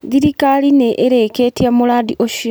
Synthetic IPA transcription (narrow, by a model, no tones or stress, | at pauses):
ðiɾikalineʔeɾekeːtjamulaːðiʔoʃi